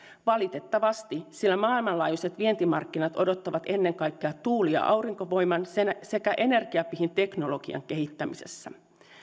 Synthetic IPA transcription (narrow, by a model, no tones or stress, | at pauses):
ʋɑlit̪e̞t̪ːɑʋɑst̪isilːæmɑːilmɑnlɑːjuset̪ʋie̞nt̪imɑrkːinɑt̪o̞do̞t̪ːɑʋɑt̪e̞nːe̞ŋkɑjkːeɑt̪uːliɑ̰ʔɑwɾiŋko̞ʋo̞jmɑnsese̞kæʔe̞ne̞rɡ̥iɑpiɦint̪e̞kno̞lo̞ɡ̥iɑ̰ŋke̞ɦit̪ːæmise̞̰sːæ̰